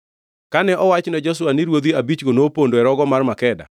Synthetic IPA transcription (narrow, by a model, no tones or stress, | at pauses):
kanɛʔɔwat͡ʃnɛd͡ʒɔs̬ʊwanɪɾwod̪iabit͡ʃɡonopondoɛɾɔɡɔmarmakɛda̰